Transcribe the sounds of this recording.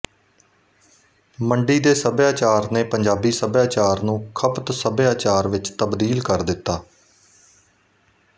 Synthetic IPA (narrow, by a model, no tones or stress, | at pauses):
məɳɖiːd̪eːsəbjaːt͡ʃaːɾneːpəɲd͡ʒaːbiːsəbjaːt͡ʃaːɾnũːkʰəpt̪səbjaːt͡ʃaːɾʋɪt͡ʃt̪əbd̪iːlkəɾd̪ɪt̪ːaː